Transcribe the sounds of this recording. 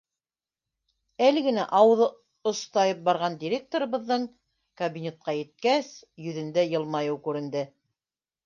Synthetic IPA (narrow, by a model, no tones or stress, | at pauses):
ælɘɡɘ̆næʔɑwɤ̆ðɤ | ŏst̪ɑjɤp̚bɑɾʁɑnd̪ʲiɾʲe̞k̚t̪oɾɤ̆βɤ̆ðːɤɴ | kɐbʲinʲe̞t̪̚qɑjɘ̆t̪̚kæsjɵ̆ðɘ̆nd̪æjɤ̆lˠmɑjɤwkʉɾɘ̆nd̪ɘ